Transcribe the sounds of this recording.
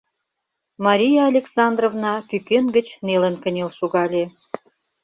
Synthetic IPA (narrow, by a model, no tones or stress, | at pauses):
mɑɾʲijɑːlʲeksɑnd̪rovnɑpykønɡə̆t͡ɕnelə̆nkənʲelʃuɣɑlʲe